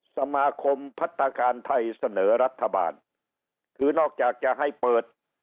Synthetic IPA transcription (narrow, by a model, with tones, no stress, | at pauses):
sa˧maː˧kʰo˧mpʰa˦˥t̪ʰːa˧kaː˧nt̪ʰa˧jsa˧nɤː˩˦ɾa˦˥t̪ʰːa˧ba̰ː˧n | kʰɯː˧nɔː˥˩k̚t͡ɕaː˨˩k̚t͡ɕa˨˩ʔɦa˥˩jpɤː˨˩t̪̚